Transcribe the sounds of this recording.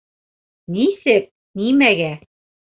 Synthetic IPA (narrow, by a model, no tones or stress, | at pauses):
nisɘk̚ | nimæɡæ